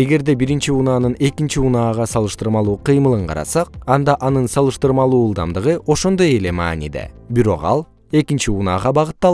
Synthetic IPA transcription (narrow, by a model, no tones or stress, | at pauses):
e̞ɡe̞ɾd̪e̞biɾint͡ʃiunɑːnɯne̞kint͡ʃiunɑːʁɑsɑlˠɯʃt̪ɯɾmɑlˠuːqʰɯjmɯlˠɯɴqʰɑ̰ɾɑ̰sɑqɑnd̪ɑʔɑnɯnsɑlˠɯʃt̪ɯɾmɑlˠuːlˠd̪ɑmd̪ɯʁɯʔo̞ʃo̞nd̪o̞je̞le̞mɑ̰ːnḭd̪ḛbiɾo̞̰qɑ̰lˠ | e̞kint͡ʃiunɑːʁɑbɑʁɯt̪ːɑlˠ